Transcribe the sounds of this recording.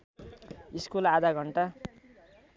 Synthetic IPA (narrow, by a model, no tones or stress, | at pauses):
iskulad̪ʱaɡʱʌɳʈa